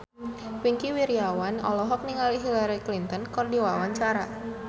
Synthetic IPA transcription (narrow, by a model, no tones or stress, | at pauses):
wiŋkiwiɾiawanɔ̰lɔɦɔk̚niŋaliɦilaɾiklint̪ənkɔrdiwawaɲt͡ʃaɾa